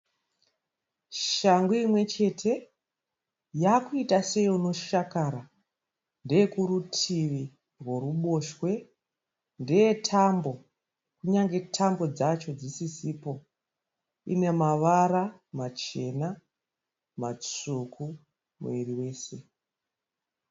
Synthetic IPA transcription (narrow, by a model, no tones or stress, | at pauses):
ʃaŋɡuimwe̞t͡ʃe̞tʰe̞ | jakuitase̞jiuno̞ʃakaɾa | nde̞jekuɾutʰiʋi | rwo̞ruɓo̞ʃwe̞ | nde̞jetʰambo̞ | kuɲaŋɡe̞tʰambo̞d͡zat͡ʃo̞d͡zisisipo̞ | ḭne̞maʋaɾamat͡ʃe̞na | mat͡sukʰu | mṵiɾiwe̞ːse̞